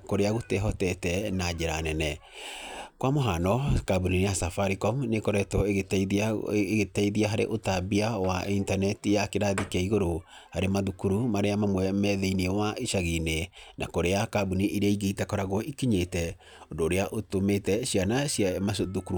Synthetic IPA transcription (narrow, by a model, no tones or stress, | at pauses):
koɾeaɣotɛɦɔtɛtɛnad͡ʒeɾanɛnɛ | kwamoɦanɔkabunineasafaɾikɔmnekɔɾɛtɔtː | ɣetaiðiaɦaɾḛʔotabiawaintanɛtijakeɾaðikaiɣoɾo | haɾemaðukuɾumaɾeamamwɛmɛðeinewaʔeʃaɣinenakoɾeakabuniʔiɾeaiɣeitɛkɔɾaɣɔʔikiɲetɛ | ondoːɾeaʔotometɛʃianaʃjamaðukuɾu